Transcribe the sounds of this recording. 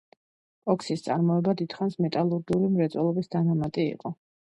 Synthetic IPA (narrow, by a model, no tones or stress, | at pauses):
pʼɔkʰsist̪sʼaɾmɔɛbad̪it̪χansmɛt̪ʼalˠuɾd̪ulimɾɛt̪sʼwɛlˠɔbisd̪̥anamat̪ʼiḭqʼɔ